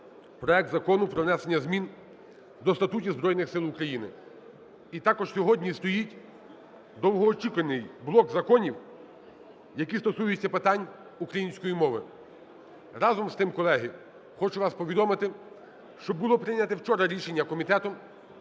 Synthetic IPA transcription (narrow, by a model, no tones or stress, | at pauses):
pɾɔɛk̚t̪zɐkɔnʊpɾɔʋnɛsenʲːɐzmʲin | d̪ɔst̪ɐt̪utʲizbɾɔjnɪxsɪlˠʊkɾɐjinɪ | it̪ɑkɔʒsʲɔɦɔdʲnʲist̪ɔjitʲ | d̪ɔwɦɔːt͡ʃikʊlenɪjblˠɔkzɐkɔnʲiw | jɐkist̪ɔsujʊt͡sʲːɐpɪt̪ɑnʲ | ukɾɐjinʲsʲkɔjimɔʋɪ | ɾɑzɔmst̪ɪmkɔlˠɛɦɪ | xɔt͡ʃʊʋɑspɔʋʲid̪ɔmɪt̪ɪ | ʃt͡ʃɔbʊlˠɔpɾɪnʲɐt̪ɛwt͡ʃɔɾɐɾʲiʃe̞nʲːɐkɔmʲit̪ɛt̪ɔ